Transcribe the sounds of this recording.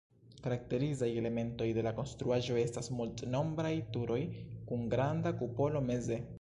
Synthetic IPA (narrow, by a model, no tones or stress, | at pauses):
kaɾak̚te̞ɾizaje̞le̞me̞nto̞jde̞lako̞nstɾuaʒo̞e̞stasmultno̞mbɾajtuɾʔo̞jkunɡɾandakupo̞lo̞meze̞